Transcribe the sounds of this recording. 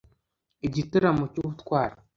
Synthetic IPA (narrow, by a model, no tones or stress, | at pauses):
id͡ʒitɨɾamut͡ʃutkʷaɾ